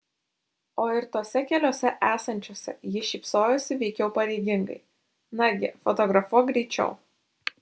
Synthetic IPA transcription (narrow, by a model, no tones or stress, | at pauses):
oːɪɾt̪oːsʲɛkʲɛlʲoːsʲɛʔæːsɐnʲt͡ʃʲoːsʲɛ̰jɪʃʲiːpsoːjʊsʲɪʋʲɛɪkʲɛʊpɐɾʲɛɪɡʲɪŋɡɐ̰ɪ | nɐɡʲɪ̰fɔt̪ɔɡɾɐfuɔɡɾʲɛːt͡ʃʲɛ̰ʊ